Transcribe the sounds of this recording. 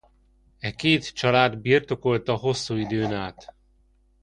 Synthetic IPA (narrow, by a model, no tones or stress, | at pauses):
ɛkeːt̪t͡ʃɒlaːd̪birt̪o̞ko̞lt̪ɒɦo̞sːuːid̪øːnaːt̪